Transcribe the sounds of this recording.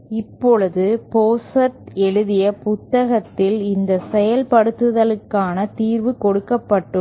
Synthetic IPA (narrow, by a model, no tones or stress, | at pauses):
ɪpːɔɭɯðɯpoːsɐɾt̪ɛɻɯðɪjɐpʊt̪ːɐɣɐt̪ːɪlɪnd̪ɐsɛjɐlpɐɽɯt̪ːɯðɐlɯkːaːnɐt̪iːɾʋɯkɔɽɯkːɐpːɐʈːɯm